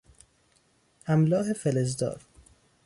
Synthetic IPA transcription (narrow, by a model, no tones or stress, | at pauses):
hæmlɒːɦe̞felezd̪ɒ̰ːɾ